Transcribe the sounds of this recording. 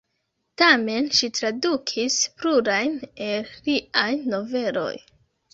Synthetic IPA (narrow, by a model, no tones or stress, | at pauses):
tame̞nʃitɾadukʰispɾuɾajnelɾiʔajno̞ve̞lo̞̰j